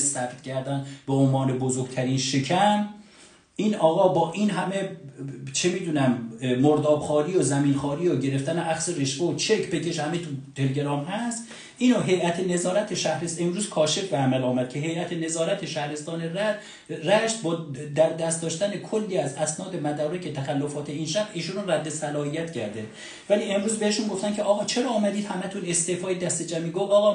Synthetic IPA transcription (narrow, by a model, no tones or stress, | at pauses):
sæft̪cʰæɾd̪ænbeonvɒːnebozoɾɡt̪ʰæɾiːnʃecʰæn | ʔiːnɒːɣɒːbɒːʔinɦæme̞ | t͡ʃʰemiːd̪uːnæmːoɾd̪ɒːbxɒːɾiːozæmiːnxɒːɾiːoɟe̞ɾe̞ft̪æneʔæxseɾeʃveot͡ʃʰekʰpe̞cʰeʃhæmet̪ʰut̪ʰeleɟeɾɒːmhæst̪ | ʔiːnoɦe̞jæt̪ʰene̞zɒːɾæt̪ʰeʃæhɾest̪emɾuːzkʰɒːʃe̞fbeæmælɒːmæd̪̚cʰe̞ɦe̞jæt̪ʰene̞zɒːɾæt̪ʰeʃæhɾest̪ɒːne̞ræd̪̥ | ræʃt̪̚bɒːd̪æɾd̪æst̪d̪ɒːʃt̪ænekʰolːiːæzæsnɒːd̪e̞mæd̪ɒːɾecʰet̪ʰæxælːofɒːt̪ʰe̞iːnʃæʁʔiːʃunræd̪ːe̞sælɒːhijæt̪cʰæɾd̪e | væliːe̞mɾuːzbeheʃunɡo̞ft̪æncʰeʔɒːɣɒːt͡ʃʰe̞ɾɒːɒːmæd̪iːd̪hæmæt̪ʰune̞st̪eːfɒːjed̪æst̪ed͡ʒæmiːɡofɒːɣɒ